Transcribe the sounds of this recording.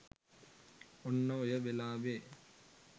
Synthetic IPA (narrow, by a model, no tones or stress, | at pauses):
ɔnːɐːjɐʋɛlaːʋeː